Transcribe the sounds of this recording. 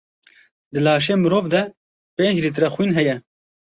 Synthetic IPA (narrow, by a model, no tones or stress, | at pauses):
d̪ɨlaːʃ̬eːmɨɾoːvd̪ɛ | peːnd͡ʒlit̪ɾɛxwiːnɦɛjɛ